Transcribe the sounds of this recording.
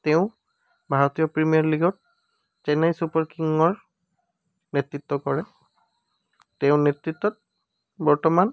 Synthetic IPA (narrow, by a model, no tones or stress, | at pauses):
tɛʊ̃ | bʱaɹɔtijɔpɹimijaɹliɡɔt̚ | t͡ʃɛnajsupɔɹkiŋɔɹ | netɹitːɔkɔɹɛ | tɛʊ̃netɹitːɔt̚ | bɔɹtɔman